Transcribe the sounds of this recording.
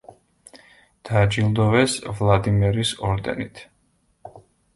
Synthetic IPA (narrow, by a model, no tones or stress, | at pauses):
d̪̥ad͡ʒilˠd̪ɔvɛsvlˠad̪imɛɾisɔɾd̪ɛ̰nit̪ʰ